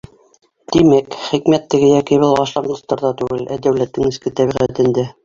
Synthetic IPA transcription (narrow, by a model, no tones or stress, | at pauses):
d̪̥imækχikmæt̪ːɘ̆ɡɘjɑkiβɤlˠɑʃlˠɑnd̪ɤ̆st̪ɑɾðɑt̪ʉɡɘlʔæd̪æwlæt̪ːɘŋɘ̆skɘt̪æβiʁæt̪ɘ̆nd̪æ